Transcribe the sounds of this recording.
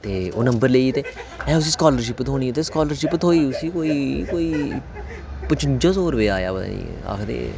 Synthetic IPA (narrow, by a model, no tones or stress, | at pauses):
t̪eːoːnəmbəɾleiːt̪eːɛ̃ːʊs̬iːskaːləɾʃ̬ɪpːt̪ʰoːɽiːt̪eːskaːləɾʃɪpːət̪ʰoːiːʊsiːkoːiːkoːiː | pət͡ʃɪnd͡ʒãːsoːɾʋeːaːja̰ːbə̰ḭː | a̰ːkʰd̪ḛː